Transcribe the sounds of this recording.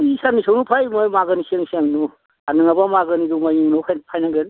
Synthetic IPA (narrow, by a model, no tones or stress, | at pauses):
isanisawnupʰajmɔjmaɡɯnisaŋisiaŋnu | anɯŋabamaɡɯniɡumajiŋnɔpʰapʰajnaɡɯn